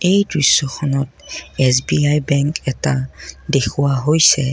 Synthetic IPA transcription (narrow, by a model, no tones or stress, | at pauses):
ejdɹusːɔxʰɔnɔtɛsbiajbɛŋkɛtadekʰuwaɦojsɛ